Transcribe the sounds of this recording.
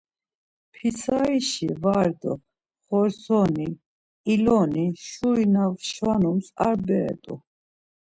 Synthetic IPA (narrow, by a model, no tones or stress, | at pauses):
pʰisaiʃivaɾd̪ɔ | χɔɾsɔni | ilɔniʃuinavʃwanumsa̰ɾbɛ̰ːt̪ʼṵ